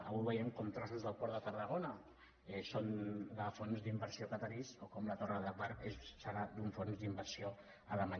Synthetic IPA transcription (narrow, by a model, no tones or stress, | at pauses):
ə̰βujβəjɛmkɔmt̪ɾasuzðəlˠpɔɾðət̪əɾðəɣ̞onə | ɛsond̪əfonzd̪imbəɾsiokat̪əɾisokɔmlət̪orəðəβaɾezsaɾad̪uɱfonzd̪imbəɾsio | ələmaɲ